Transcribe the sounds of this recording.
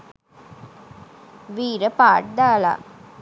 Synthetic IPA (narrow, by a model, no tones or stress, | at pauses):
ʋiːɾəpaːʈ̚d̪aːla̰